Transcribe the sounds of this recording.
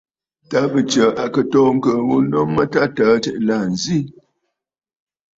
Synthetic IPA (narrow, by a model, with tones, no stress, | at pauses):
ta˦bə˨t͡ʃə˨ʔa˨kə˨tɔː˦˨ŋ̩˦kə˨wu˦nɔ˦ŋːə˦ta˦taː˨˦tɛ̰˨ʔla˨n̩˨zi˦